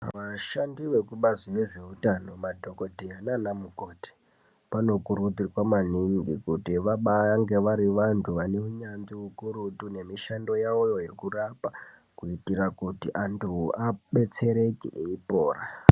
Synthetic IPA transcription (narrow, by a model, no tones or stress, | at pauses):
ʋaʃandiʋe̞kuɓaziʋe̞ʐe̞utano̞madʱo̞ko̞dʱiananamukoːti̥ | pano̞kuɾutikwamaniŋɡḭkutiʋaɓaaŋɡe̞ʋaɾiʋantʰuʋaneuɲanziukuɾutune̞miʃando̞jaojo̞je̞kurapa | kuitiɾakutiʔantʰuaɓe̞t͡se̞ɾe̞kḭʔeipo̞ːra